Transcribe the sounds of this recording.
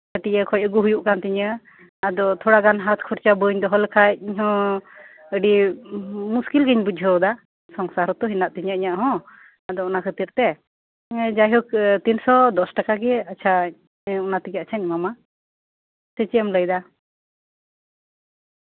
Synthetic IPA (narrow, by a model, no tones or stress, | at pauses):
əʈiəkʰɔjcəɡuɦujuʔkant̪iɲə | ad̪ɔt̪ʰɔɽaɡanɦat̪̚kʰuɾt͡ʃabəɲd̪ɔɦɔlkʰaiɲɦɔ̃ | əɖi | muskilɡəɲbud͡ʒʱəwd̪a | sɔŋsaɾɔt̪ɔɦinaʔt̪iɲəʔiɲaʔɦɔ̃ | ad̪ɔɔnakʰət̪iɾt̪ɛ | d͡ʒajɦɔk̚t̪insɔd̪ɔsʈakaɡɛat͡ʃʰa | ɔnat̪iɡɛat͡ʃʰaɲmama | sət͡ʃiɛmləjd̪a